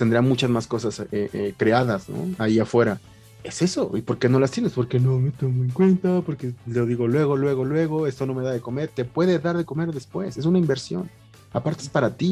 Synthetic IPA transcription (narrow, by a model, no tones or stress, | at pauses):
t̪end̪ɾamut͡ʃazmasko̞saseʔekɾe̞aðasno̰aiafwe̞ɾa | e̞se̞so̞̰ipo̞ɾke̞no̞last̪jene̞spo̞ɾkenomet̪oŋɡoeŋkwe̞nt̪apo̞ɾkeloðiɣolwe̞ɣo̞lwe̞ɣo̞lwe̞ɣo̞e̞st̪o̞no̞me̞ðaðe̞ko̞me̞ɾt̪e̞pwe̞ðeðaɾðe̞ko̞me̞ɾðe̞spwe̞se̞s̬unaimbe̞ɾsjo̞̰n | apaɾt̪eespaɾat̪i